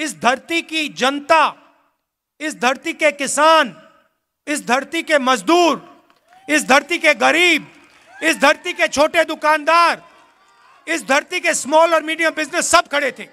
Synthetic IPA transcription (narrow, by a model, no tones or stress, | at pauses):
ɪsd̪ʱɐɾt̪ikid͡ʒɐnt̪a | ɪsd̪ʱɐɾt̪ikekɪsaːn | ɪsd̪ʱɐɾt̪ikemɐzd̪uːɾ | ɪsd̪ʱɐɾt̪ikeɣɐɾiːb̚ | ɪsd̪ʱɐɾt̪iket͡ʃʰoːʈed̪ʊkaːnd̪aːɾ | ɪsd̪ʱɐɾt̪ikesmɔːlɔːɾmiːɖijabɪznəsːɐb̚kʰɐɽet̪ʰeː